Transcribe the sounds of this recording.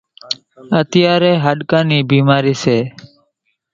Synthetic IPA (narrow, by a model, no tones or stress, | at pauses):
ət̪ɪjaːɾeːɦəɗkãːniːbiːmaːɾiːseː